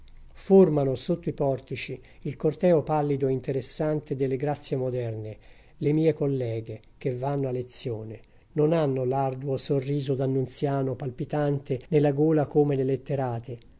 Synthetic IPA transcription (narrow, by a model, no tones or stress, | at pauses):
formanosot̪ːoipɔrt̪it͡ʃi | ilkort̪ɛːopalːid̪oint̪eɾesːant̪ed̪elːeɡɾat̪sːjemod̪ɛrne | lemiːekolːɛːɡe | k̟evanːoalːet̪sːjoːne | nonanːolard̪uwosorːiːzod̪anːunt̪sjaːnopalpit̪ant̪enelːaɡoːlakomelelet̪ːeɾaːt̪e